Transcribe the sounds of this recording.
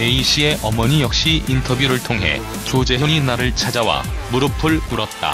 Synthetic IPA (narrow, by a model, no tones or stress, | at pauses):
ne̞iɕ͈ʰie̞ʔʌmʌɲijʌk̚ɕ͈iintʰʌbjuɾɯɭtʰoŋɦe̞̰ | t͡ɕod͡ʑe̞ɕʰʌɲinaɾɯɭt͡ɕʰad͡ʑawa̰muɾɯpʰɯɭkuɾʌt̚t͈a̰